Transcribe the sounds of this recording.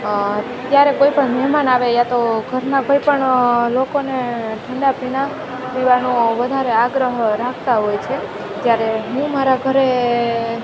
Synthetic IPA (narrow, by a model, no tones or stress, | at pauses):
t̪jaɾekoipəɳmɛɦmanaʋejat̪oɡʱəɾnakoipəɳlokoneʈʰəɳɖapina | ʋiʋanoʋəd̪ʱaɾeaɡɾəɦɾakʰt̪aɦojt͡ʃʰe | d͡ʒjaɾeɦũmaɾaɡʱəɾe